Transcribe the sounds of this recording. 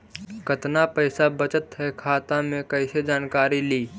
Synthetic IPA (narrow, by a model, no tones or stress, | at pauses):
kɐt̪napɛɪsabɐt͡ʃət̪ɦɛkʰaːt̪ãmẽkɐɪsed͡ʒaːnkaːɾiliː